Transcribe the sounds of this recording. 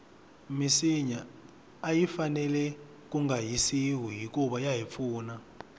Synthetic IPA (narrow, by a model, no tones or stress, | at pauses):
misiɲaː | jifanɛlɛ | k̬uŋɡajisiɦuɦik̬ʼuɓajaɦip̪fuːna